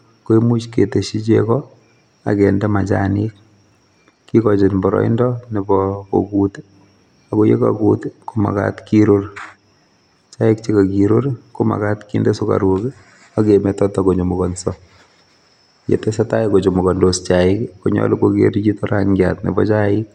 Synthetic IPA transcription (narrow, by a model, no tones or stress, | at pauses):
koimut͡ʃketeʃit͡ʃekɔ | a̰kendɛmat͡ʃanik̚ | kːikɔt͡ʃɪnbɔɾɔ̰ḭndɔnibɔko̰kut | akojḛka̰kutkoma̰ka̰tkiɾoɾ | t͡ʃaɪkt͡ʃikakiɾoɾkoma̰katkindɛsuka̰ɾukɪ | akemɛtɔtɔkoɲomukɔnsɔ | jḛtɛsataɪkot͡ʃomukɔndost͡ʃaɪkkoɲɔ̰lukokḛɾt͡ʃitɔɾaŋɡjatnḭbɔt͡ʃaɪk̚